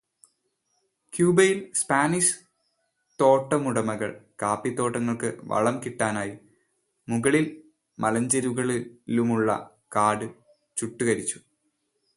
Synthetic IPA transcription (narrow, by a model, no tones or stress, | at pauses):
kjuːbɐjilspaːniʂɨ̥ | t̪o̞ːʈːɐmuɽɐmɐɣɐ̰ɭkaːpːit̪ːo̞ːʈːɐŋːɐɭkɨʋɐ̰ɭɐmkiʈːaːnaːji | muɣɐɭil | mʔɐlɐɲd͡ʑɐɾuɣɐɭilumuɭːɐ̰ | kaːɽɨ | t͡ɕuʈːuɣɐɾit͡ɕːu̥